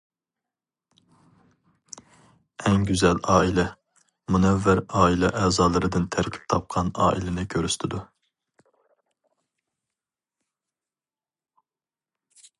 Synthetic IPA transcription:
ɛŋɡʲyzɛlɑːilɛ | munɛvːæɾɑːilˠɛʔɛːzɑːlˠɨɾɨd̪ɨnt̪ʰæɾkʲʰi̥p̚t̪ʰɑp̚qʰɑnɑ̰ːʔḭlɪnɪkʲʰøɾyst̪ʰɪd̪u

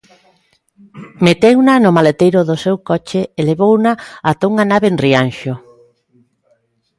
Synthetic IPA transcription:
met̪ewnanomalet̪ejɾʊðosewkɔt͡ʃeeleβownaat̪auŋanaβeːnrianʃo

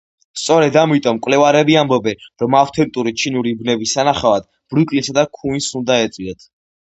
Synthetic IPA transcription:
st̪sʼɔɾɛd̪amit̪ʼɔmkʼwlɛvaɾɛbiambɔbɛnɾɔmaft̪ʰɛnt̪ʼuɾit͡ʃʰinuɾibnɛbisanaχavad̪̥ | b̥ɾukʼlisad̪akʰuinsund̪aɛt̪sʼwiɛt̪ʰ

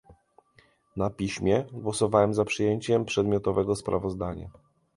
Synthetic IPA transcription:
napʲiɕmʲjɛɡwɔsɔvawɛmzapʂɘjeɲt͡ɕɛmpʂɛd̪mʲjɔt̪ɔvɛɡɔspɾʔa̰vɔzd̪aɲa̰

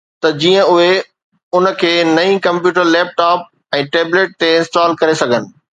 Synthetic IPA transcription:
t̪ɐd͡ʑiːə̃ʊɦe | ʊnə̆kʰeːnɐĩkɐ̃mpjuːʈəɾlɛːp̚ʈaːp̚ | ɛ̃ːʈeːbleːʈ̚t̪eɪ̃nsʈaːlkɐɾesɐɡʱənɪ̆

